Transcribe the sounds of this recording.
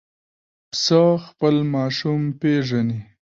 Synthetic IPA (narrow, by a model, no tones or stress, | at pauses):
psaxpəlmɑʃumpeʐani